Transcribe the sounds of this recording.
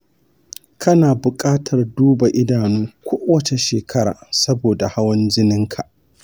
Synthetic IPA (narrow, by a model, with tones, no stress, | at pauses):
kʰɐ˦naː˨bʊ˨kʼaː˦tʰɐ˨rduː˦ba˨ʔɪ˦daː˨nuː˦kʷʰoː˦wɐ˦t͡ʃe˨ʃeː˨kʰɐ˦ɾa̰ː˨sɐ˦boː˨da˨ha˦wɐ˦nd͡ʒɪ˦nɪ˦ŋkʰa˨ʔ